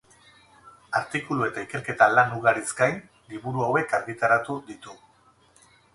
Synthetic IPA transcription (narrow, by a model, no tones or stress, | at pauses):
aɾt̪ikulue̞t̪aike̞ɾke̞t̪alanuɣaɾizɡajn | liβuɾuawe̞kaɾɣit̪aɾat̪ud̪it̪u